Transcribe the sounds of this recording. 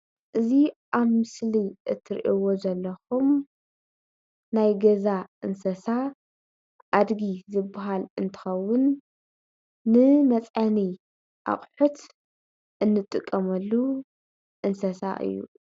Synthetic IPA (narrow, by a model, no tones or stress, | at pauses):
ʔɨziʔaβmɨsliʔɨt̪ʰːɨɾḭʔiwo̞zɐlːɐxum | najɡɐzaʔɨnsɐsa | ʔad̪ɡizɨbːaɦalɨnt̪ʰɨ̥xɐwːʊn | ɨmɐt͡sʼʕani | ʔa̰χʼħut̪ | ʔɨnːɨt̪ʼːɨkʼːɐmɐlːu | ʔɨnsɐsa̰ʔɨ̰jːṵ